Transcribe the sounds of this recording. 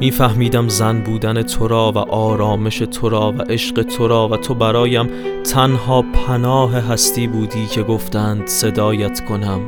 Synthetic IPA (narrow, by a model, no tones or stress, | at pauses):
miːfæhmiːd̪æmzænbuːd̪æne̞t̪ʰo̞ɾɒːvæ̰ʔɒːɾɒːme̞ʃe̞t̪ʰo̞ɾɒːvæʔe̞ʃɢe̞t̪ʰo̞ɾɒːvæt̪ʰo̞bæɾɒːjæmt̪ʰænɦɒːpʰænɒːɦeɦæst̪iːbuːd̪iːcʰe̞ɡo̞ft̪æːnd̪̥se̞d̪ɒːjæt̪kʰo̞næm